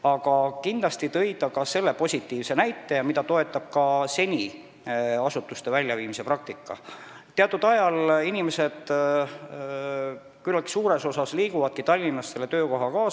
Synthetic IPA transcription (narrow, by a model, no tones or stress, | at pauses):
ɑɡ̥ɑkind̪lɑst̪it̪ɤ̞jd̪ɑkɑse̞lːe̞po̞sʲit̪ːˑiːvse̞næjt̪ˑːe̞jɑmid̪ɑt̪o̞et̪ːˑɑb̥̚kɑse̞nʲi | ɑsut̪ːˑust̪e̞vælʲːjɑviːmise̞prɑk̚t̪ikːɑ̰ | t̪eɑt̪ːˑud̪̥ɑjɑlinime̞se̞d̪̥ | kylːɑki̥suːɾe̞so̞sɑsliːkuvɑd̪̥kit̪ɑlʲːinːɑsse̞lːe̞t̪ø̞ːko̞ɦɑkɑː